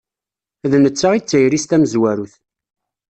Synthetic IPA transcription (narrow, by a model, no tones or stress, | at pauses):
ðnət͡sːaʁit͡sːəjɾist̪æməzwæɾuθ